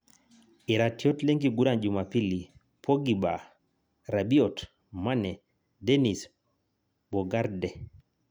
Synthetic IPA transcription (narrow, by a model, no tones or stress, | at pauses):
iɾatiɔtleŋɡiɡuɾand͡ʒumapili | pʰɔɡiba | ɾabiɔt | manɛ | dɛnis | bɔɡaɾdɛ